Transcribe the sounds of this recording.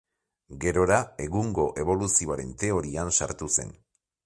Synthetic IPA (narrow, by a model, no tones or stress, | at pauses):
ɡe̞ɾo̞ɾae̞ɣuŋɡo̞ʔe̞βo̞lusioaɾe̞nt̪e̞o̞ɾiansa̰ɾt̪use̞̰n